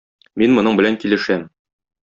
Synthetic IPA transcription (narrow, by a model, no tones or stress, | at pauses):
minmŏnɤɴbɘ̆læŋkilɘ̆ʃæm